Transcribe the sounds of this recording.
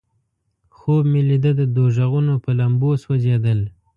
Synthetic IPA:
xobmelid̪əd̪əd̪oʒaɣunopəlamboswad͡ʒed̪əl

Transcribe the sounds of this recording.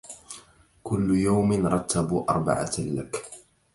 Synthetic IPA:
kʊlːʊjawmɪnɾˤɑt̪ːabuːʔɑ̰ɾˤba̰ʕa̰lak

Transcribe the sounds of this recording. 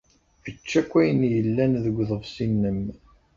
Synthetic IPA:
vət͡ʃːækʷːæjənjəlːænðəɡʷːðˤəvsinːəm

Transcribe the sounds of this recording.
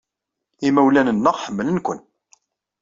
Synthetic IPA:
imæwlænənːəʁħəmːələnkʷə̰n

